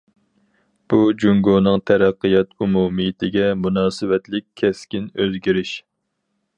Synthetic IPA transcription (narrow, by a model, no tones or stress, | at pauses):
b̥ud͡ʒuŋɡonɨŋt̪ʰæɾæqːɨjɑt̪ʰumumɨjt̪ʰɪɡʲɛmunɑːsɨwɛt̪lɪk̚ʲʰːɛskʲinøzɡʲiɾɪʃ